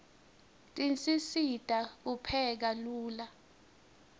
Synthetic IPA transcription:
tʼint͡sʼisitʼak̬upʰɛk̬aluːla

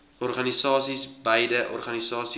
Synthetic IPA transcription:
ɔrχɐnisɑːsisbəjdəʔɔ̰rχɐnisɑːsi

